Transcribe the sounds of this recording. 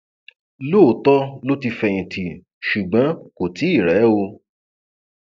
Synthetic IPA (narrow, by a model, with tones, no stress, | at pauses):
lo˦˨tɔ˦lo˦ti˧fɛ˧ĩ˨ti˨ | ʃu˨ɡ͡bã˨˦ko˨ti˨˦i˦˨ɾɛ˨˦o˧